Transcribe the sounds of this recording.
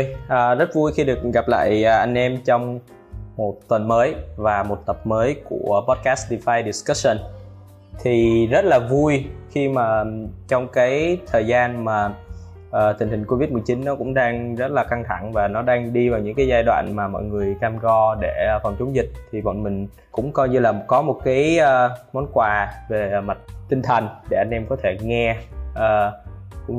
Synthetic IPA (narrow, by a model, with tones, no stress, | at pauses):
o˧jʔəː˨˩zə˦˥t̚vu˧jxi˧ɗɨ˨˩ək̚ɣa˨˩p̚la̰ː˧˨jʔəː˨˩ʔa˧jŋ̟ʔɛ˧mt͡ɕɔ˧wŋ͡m | mo˨˩t̚t̪wə˨˩nməː˨˦jvaː˨˩mo˨˩t̚t̪ə˨˩p̚məː˨˦jku˧˩əpɔ˦˥t̚kaː˦˥sɗi˧faː˧jɗi˨˩ska˦˥sə˧˩n | t̪ʰi˨˩zə˦˥t̚laː˨˩vu˧jxi˧maː˨˩t͡ɕɔ˧wŋ͡mkaː˨˦jt̪ʰəː˨˩jzaː˧nmaː˨˩ | ʔəː˨˩t̪ï˨˩ŋ̟hï˨˩ŋ̟ko˧vi˦˥t̚mɨ˨˩əjt͡ɕi˨˦nːɔ˨˦kʊ̰˧˥ŋ͡mɗaː˧ŋzə˦˥t̚laː˨˩ka˧ŋt̪ʰa˧˩ŋvaː˨˩nɔ˨˦ɗaː˧ŋɗi˧vaː˨˩wɲɨ̰˧˥ŋkaː˨˦jzaː˧jɗwa̰ː˧˨nmaː˨˩mɔ̰˧˨jŋɨ˨˩əjkaː˧mɣɔ˧ɗe˧˩˨fɔ˨˩nt͡ɕʊ˨˦ŋ͡mzï˨˩k̟̚t̪ʰi˨˩vɔ̰˧˨nmï˨˩ŋ̟ | kʊ̰˧˥ŋ͡mkɔ˧jɲɨ˧laː˨˩kɔ˨˦mo˨˩t̚kaː˨˦jəː˧mɔ˨˦nkwaː˨˩ve˨˩ma˨˩t̚t̪ï˧ŋ̟t̪ʰə˨˩nɗe˧˩ʔa˧jnʔɛ˧mkɔ˨˦t̪ʰe˧˩ŋɛ˧ʔəː˨˩kʊ̰˧˥ŋ͡m